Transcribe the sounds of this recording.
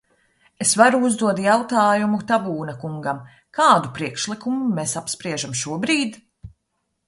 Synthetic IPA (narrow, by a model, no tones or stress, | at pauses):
esvaɾuuzd̪uɔt̪jawt̪aːjumut̪abuːnɐkuŋɡam | kaːd̪upɾiɛkʃlˠikumumesapspɾiɛʒamʃuɔbɾiːd̪